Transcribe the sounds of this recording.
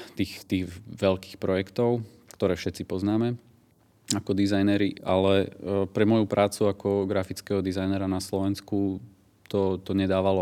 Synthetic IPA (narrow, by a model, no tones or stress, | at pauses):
t̪iːxt̪iːɣʋɛlkiːxpɾɔjɛkt̪ɔʊ | kt̪ɔɾɛːfʃɛt̪t͡sipɔznaːmɛ | akɔd̪izajnɛɾiʔa̰lɛpɾɛmɔjupɾʔaːt͡suakɔɡɾafit͡skɛːɦɔd̪izajnɛɾanaslɔʋɛnsku | t̪ɔt̪ɔɲɛd̪aːʋalɔ